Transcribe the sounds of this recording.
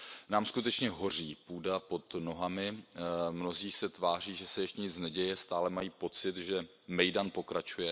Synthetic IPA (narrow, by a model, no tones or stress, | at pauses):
naːmskut̪ɛt͡ʃɲɛɦo̞r̝iːpuːdapo̞t̪no̞ɦamɪmno̞ziːsɛt̪vaːr̝iːʒɛsɛjɛʃtɲɪt͡snɛɟɛjɛst̪aːlɛmajiːpo̞t͡sɪt̪ʒɛ | mɛjdanpo̞kɾat͡ʃujɛ